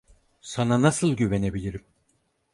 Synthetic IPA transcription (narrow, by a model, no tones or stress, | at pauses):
sananasɯlˠɟyvene̞bilʲiɾim